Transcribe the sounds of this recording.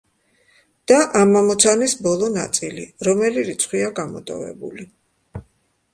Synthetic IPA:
d̪̥aʔamamɔt̪sʰanisbɔlˠɔna̰t̪sʼiliɾɔmɛliɾit̪sʰχwiaɡamɔ̰t̪ʼɔ̰vɛ̰bṵli

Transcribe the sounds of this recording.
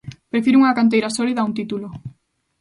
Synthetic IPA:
pɾefiɾuŋɐkant̪ejɾasɔliðaunt̪it̪ulo

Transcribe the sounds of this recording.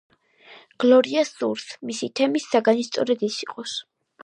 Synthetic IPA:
ɡ̥lɔɾiasuɾsmisit̪ʰɛmisːaɡanist̪sʼɔ̰ɾɛd̪isiqʼɔs

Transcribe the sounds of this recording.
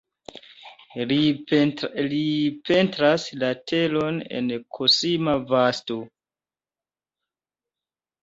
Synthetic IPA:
lipe̞ntɾaslatʰe̞lo̞ne̞̰nkʰosimavasto

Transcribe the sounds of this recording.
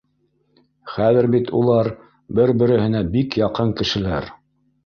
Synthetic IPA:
χæðɘɾbit̪ṵlˠɑɾ | bɘɾbɘ̆ɾɘ̆hɘ̆næbikjɑqɤŋkɘ̆ʃɘ̆læɾ

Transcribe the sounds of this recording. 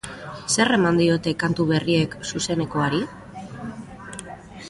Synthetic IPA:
se̞re̞mand̪io̞t̪e̞kant̪uβe̞rie̞ksuse̞ne̞ko̞aɾi

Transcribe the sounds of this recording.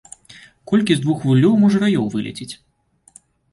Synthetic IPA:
kɔlʲkʲizd̪vuxvulʲːɔwmɔʐɐɾajɔwvɨlʲɛ̰t͡sʲit͡sʲ

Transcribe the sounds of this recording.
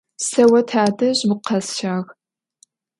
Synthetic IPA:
sɐwɐtʰaːdɐʑmɨqʰɐsʃaːɣ

